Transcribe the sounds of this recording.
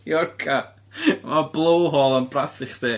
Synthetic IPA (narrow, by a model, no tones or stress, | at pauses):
jɔrkʰa | mablˠowɦɔːlˠanbraθɪχdeː